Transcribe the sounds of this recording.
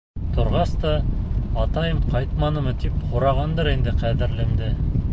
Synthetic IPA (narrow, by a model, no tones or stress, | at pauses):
t̪ʰŏɾʁɑst̪ɑː | t̪ɑjɤmqɑjt̪̚mɑnɤ̆mɤt̪iphŏɾɑʁɑnd̪ɤɾind̪ɘqæðɘ̆ɾlɘ̆md̪ɘ